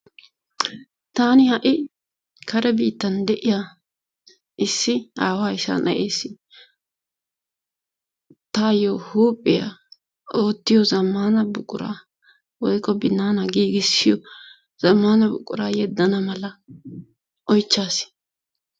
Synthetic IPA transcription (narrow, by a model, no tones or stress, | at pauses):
t̪aːnɪhɐʔɪ | kʰɐɾɛbiːt̪ːɐnd̪ɛʔɪja | ʔɪsːɪaːwaːɪsɐ̰nʔɐ̰ʔeːsːɪ | t̪aːjoːhuːpʼːɪja̰ | o̞ːt̪ːɪjɔzɐmːaːnɐbʊkʼʊ̰ɾa̰ː | wɔjkːɔbɪnːaːnɐɡiːɡɪsːɪjɔ | z̥ɐmːaːnɐbʊ̰kʼːʊ̰ɾaːjɛd̪ːɐnɐmɐlɐ | ʔɔjt͡ʃːaːs